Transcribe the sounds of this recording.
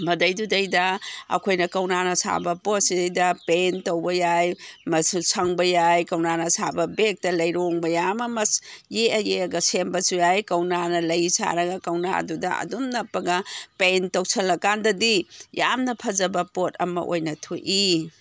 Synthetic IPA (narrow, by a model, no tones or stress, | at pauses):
mɐdɐjdudɐjdɐɐ̰kʰojnɐkɐwnanɐsa̰bɐpot̚sidɐjdɐpentowbɐjajmɐsusʰɐŋbɐjajkɐwnanɐsabɐbek̚tɐlɐjɾoŋbɐjamɐmɐsjeɐjeɐɡɐsembɐsujajkɐwnanɐlɐjsa̰ɾɐɡɐkɐwna̰ɐ̰dudɐɐ̰dumnɐpːɐɡɐpentɐwsʰɐlːɐkandɐdijamnɐpʰɐzɐbɐpot̚ʰɐ̰mɐ̰ʔojnɐtʰojʔi